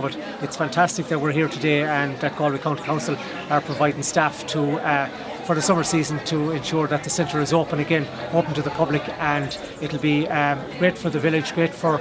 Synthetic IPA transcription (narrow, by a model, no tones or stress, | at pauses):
bʌɾ | ɪtsfæ̃ntʰæstɪk̚ðət̚wɪɹɦiːɹtʰədeə̃nðət̚ɡ̥ɔːlˠwikʰãʊ̃ntə̥kʰãʊ̃nsəl̩ˠ | ə˞pʰɹ̥əvaɪdɪ̃ŋstaftʰə | fə˞ðəsʌmə˞siːzə̃ntʰəɛ̃nʃʊːɹðət̪̚ðəsɛ̃ntə˞ɪzoːpə̃nəɡɛ̃noːpə̃n̩tʰəðəpʰʌblɪkə̃n | ɪɾl̩ˠbiɡ̥ɹeːtfə˞ðəvɪlɪd͡ʒɡɹeɪtfə˞